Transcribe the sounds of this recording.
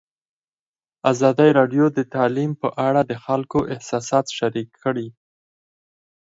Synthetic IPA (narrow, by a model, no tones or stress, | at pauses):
azɑd̪əjɾɑɖjod̪ət̪ɑlimpəʔaɽad̪əxalkoʔɪhsɑsɑt̪ʃaɾikʰːəɽi